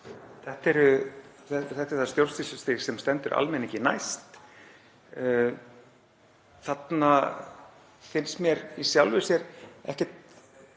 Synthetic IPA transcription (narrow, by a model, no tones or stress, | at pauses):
θɛht̪ɛɾʏ | ɛθɛht̪ɛɾ̥θast̪jowlst̪isʏst̪ɪsɛmst̪ɛnt̪ʏɾʔa̰lmɛnɪcɪna̰jst̪ | θat̪na | fɪnst̪mjɛɾisjawlvɪsjɛɾɛ̰hcɛt̪̚